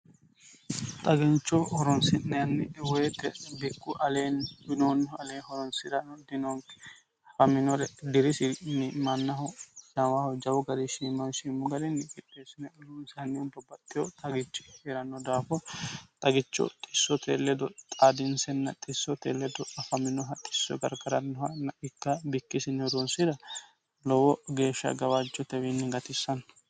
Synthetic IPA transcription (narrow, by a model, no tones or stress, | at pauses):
t̪ʼɐɡɛnt͡ʃːɔhɔɾɔnsɪnːɛjɐnːɪwɔjɛt̪ːɛbɛkːʊʔɐleːnbɪnonːɐleːnhɔɾɔnsɪɾɐnɔd̪ɪnɔŋk | fɐmɪnɔɾɛd̪ɪɾɪsɪnɪmɐnːɐɦɔdɐmahɔd͡ʒɐbʊɡɐɾɪʃiːmːɐnʃiːmːʊɡɐɾɛnːɪkɪpːeːsɪnɛɾuɪsnːɪbɐbɐt̪ʼːɪjɔt̪ʼɐɡɪt͡ʃːɪ̥heɾɐnːɔd̪aːfɔt̪ʼɐɡɪt͡ʃːɔ̰t̪ʼɪsːɔt̪ʰeːlːɛd̪ɔt̪ʼad̪ɪnsɛnːɐt̪ʼɪsːɔt̪ḛːlːɛd̪ɔɐfɐmːɪnɔɦɐt̪ʼɪ̥sːɔ̰ɡɐɾɡɐɾɐnːɔhɐnɐɪkːɐbɪkːɪsɪnɾunsɪd̪ɐ | lɔwɔɡe̞ːʃːɐ̰ɡɐwat͡ʃːɔt̪ɛwinːɪɡɐt̪ɪsːɐn